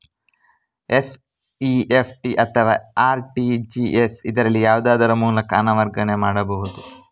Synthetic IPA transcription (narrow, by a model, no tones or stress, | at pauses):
es | iepʰʈiʔɐt̪ʰɐʋaːaːɾʈid͡ʒiesid̪ɐɾɐlːijaːʋud̪aːd̪ɐɾɐmuːlɐkɐːnɐʋɐɾɡɐɳemaːɽɐbɐɦud̪u